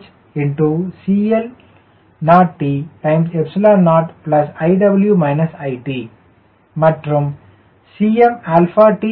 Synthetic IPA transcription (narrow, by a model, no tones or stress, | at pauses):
t͡ʃ | ɪɳʈusiːel | naːʈʈiːʈãɪ̃msepsɪlaːnaːʈplɐsaɪɖɐbəljumaɪnɐsaɪʈiː | maʈɾɐ̃m | siːemelfaːʈi